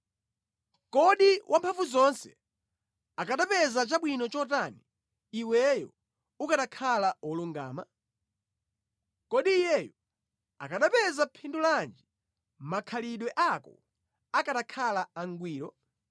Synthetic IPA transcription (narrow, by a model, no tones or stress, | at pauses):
kɔɗiwʔampʰaɱvuzɔnsɛ̰ | akaɗapɛzat͡ʃaɓwinɔt͡ʃɔt̬aniː | wɛjɔ̰ | ukaɗakʰalaɔluŋɡa̰ːma̰ | kɔɗiːjɛjɔ | a̰kaɗapɛzapʰinduland͡ʒi | makʰaliɗwɛʔakɔ̰ | akaɗakʰalaaŋɡwiːɾɔ